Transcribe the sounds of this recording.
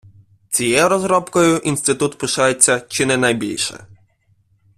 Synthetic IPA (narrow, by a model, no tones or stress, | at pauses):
t͡sʲijɛɾɔzɾɔpkɔjʊʔinst̪ɪt̪ut̪pɪʃɑjet͡sʲːɐt͡ʃɪnɛnɐjbʲilʲʃɛ̰